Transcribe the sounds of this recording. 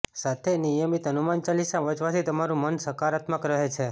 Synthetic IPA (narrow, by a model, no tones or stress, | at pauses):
sat̪ʰenijəmit̪ɦənumant͡ʃalisaʋət͡ʃʋat̪ʰit̪əmaɾũmənsəkaɾat̪məkɾəɦet͡ʃʰe